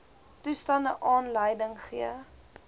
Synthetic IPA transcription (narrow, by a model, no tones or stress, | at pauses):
tustɐndəʔɑːnləjdəŋχḭə